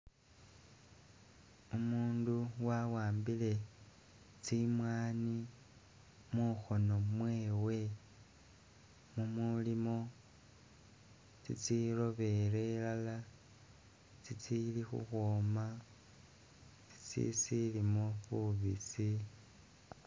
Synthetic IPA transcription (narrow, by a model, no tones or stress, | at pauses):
umuːnduwawaːmbile̞ | t͡simwaːni | muxo̞no̞mwe̞ːwe̞ | mumulimo̞ | t͡sḭt͡siro̞βe̞ɾe̞lala | t͡sit͡silixṵxwoːma | t͡si̥t͡sḭsilimoxuβḭsi